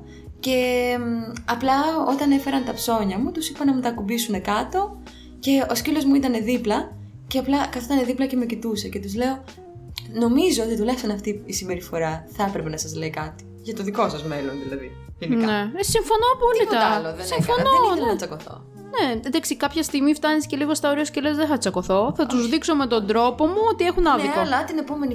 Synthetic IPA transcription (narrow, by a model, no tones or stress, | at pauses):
ce̞ | ɐplɐot̪ɐne̞fe̞ɾɐnt̪ɐpso̞ɲɐmut̪usipɐnɐmut̪ɐkubisune̞kɐt̪o̞ | ce̞oscilo̞zmuit̪ɐne̞ðiplɐ | ce̞ɐplɐkɐθoit̪ɐneðiplɐce̞mecit̪use̞ce̞t̪uzle̞o̞ | no̞mizo̞ot̪it̪ulɐçist̪onɐft̪iisimbe̞ɾifo̞ɾɐθɐɐpɾepenɐsɐzleikɐt̪i̥ʝɐt̪oðiko̞sɐzme̞lo̞nðilɐði | ininne̞siɱfo̞noɐpolit̪ɐloðesĩfo̞noɐt͡sɐkoθo̰ | ned̪ɐksikɐpçɐst̪iɣmift̪ɐnisceliɣost̪ɐoɾiɐoscelezðeθɐt͡sɐko̞θo̞θɐt̪uzðikso̞me̞t̪o̞nd̪ɾo̞po̞muot̪ie̞xunɐðnoolɐt̪ine̞po̞me̞ni